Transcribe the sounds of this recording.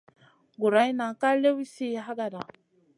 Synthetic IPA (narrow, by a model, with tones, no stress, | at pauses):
ɡu˨ɾa˨˦i˦na˨ka˦le˦wi˦si˦ɦa˦ɡa˨da˨